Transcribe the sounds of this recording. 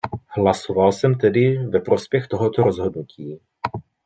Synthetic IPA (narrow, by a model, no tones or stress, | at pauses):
hlaso̞valsɛmt̪ɛdɪvɛpɾo̞spjɛxt̪o̞ɦo̞t̪oɾo̞zɦo̞dnucʰiː